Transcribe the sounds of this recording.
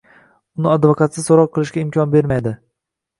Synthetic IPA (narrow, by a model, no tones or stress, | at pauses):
ʊnɪad̪vokʰat̪sɪsoɾɒqqʰːɨlˠɪʃɡʲaɪmkʲʰɒnbe̞ɾmajd̪ɪ